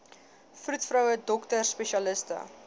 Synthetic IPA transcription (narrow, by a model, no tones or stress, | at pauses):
frutfrœwədɔktərspɛʃiɐləstə̰